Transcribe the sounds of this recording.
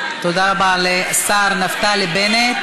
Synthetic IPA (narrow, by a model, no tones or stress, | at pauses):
t̪od̪aːbaːlesaːɾnɐft̪aːlibene